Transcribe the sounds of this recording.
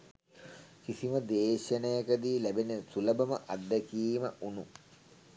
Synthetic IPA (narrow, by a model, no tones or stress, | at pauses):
kisiməd̪eːɕənəjakəd̪iːlæbenet̪ulɐbɐmə̰ʔad̪ːəkiːməʔunu